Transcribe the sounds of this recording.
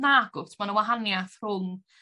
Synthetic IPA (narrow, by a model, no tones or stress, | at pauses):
naɡʊtʰmanəwaɦanjaθr̥ʊŋ